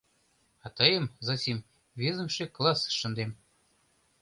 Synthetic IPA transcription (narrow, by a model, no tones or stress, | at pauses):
ɑt̪ɑjə̆mzɑsʲim | vʲezə̆mʃeklˠɑsʃɤ̆nd̪em